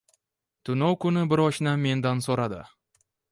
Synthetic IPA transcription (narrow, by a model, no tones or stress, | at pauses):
t̪ʰʊnowkʊnɪbɪɾɒʃnamːe̞nd̪ansoɾad̪ɪ̰